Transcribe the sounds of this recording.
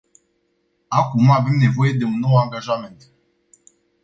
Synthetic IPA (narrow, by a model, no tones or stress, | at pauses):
akumave̞mne̞vo̞je̞d̪e̞unːo̞waŋɡaʒament̪